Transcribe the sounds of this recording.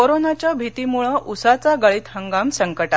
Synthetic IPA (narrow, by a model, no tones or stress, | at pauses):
koɾonat͡ɕjabʱit̪imuɭəʔusat͡saɡaɭiːt̪həŋɡamsəŋkəʈat̪